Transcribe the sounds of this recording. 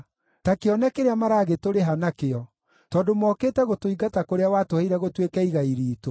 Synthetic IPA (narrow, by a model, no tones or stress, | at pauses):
takeɔnɛkeɾeamaɾaːɣetoɾeɦanakeɔ | tɔdomɔːketɛɣotoiɡatakoɾeawatohaiɾɛɣotwekɛiɣaiɾiːto